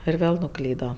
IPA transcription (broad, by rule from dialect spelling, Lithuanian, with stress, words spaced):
ɪr ˈʋʲeːlˠ nʊˈklʲiːdoː